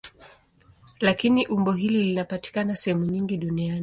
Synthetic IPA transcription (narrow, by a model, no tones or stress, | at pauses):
lakiniʔumbɔɦililinapati̥kanasɛhɛmuɲiŋɡiɗunianii